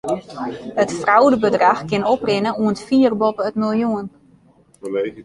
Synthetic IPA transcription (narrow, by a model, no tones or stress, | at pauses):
ətfrawdəbədraxkɪnoprɪnəuəntfiːərbopəətmilˠjuən